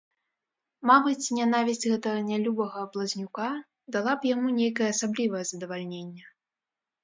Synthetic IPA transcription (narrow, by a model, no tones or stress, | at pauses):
mabɨt͡sʲnʲanavʲisʲɣɛt̪ɐɣɐnʲalʲubɐɣɐːblˠɐzʲnʲuka | d̪alˠapjamunʲejkɐjɛːsablʲivɐjɛzɐd̪ɐvalʲnʲenʲːɛ